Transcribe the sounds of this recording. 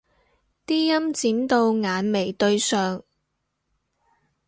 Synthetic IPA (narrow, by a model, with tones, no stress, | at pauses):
t̪iː˥jɐ˥mt͡siː˨˥nt̪o˧wŋaː˨˧nme˨˩jt̪ɵ˧ɥsœː˨ŋ